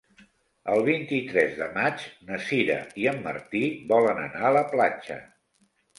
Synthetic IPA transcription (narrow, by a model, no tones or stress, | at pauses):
əlˠβ̞int̪it̪ɾɛzðəmat͡ʃnəsiɾə̰iəmːə̰ɾt̪iβɔlənə̰naələplat͡ʃə̰